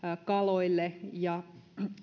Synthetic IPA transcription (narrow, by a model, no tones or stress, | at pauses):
kɑloilːejɑ